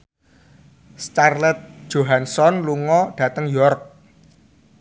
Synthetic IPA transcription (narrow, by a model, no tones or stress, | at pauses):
st͡ʃarlɛt̪̚d̥ʒ̥o̤ɦansɔnluŋɔɖ̥ä̤t̪əŋjɔrk̚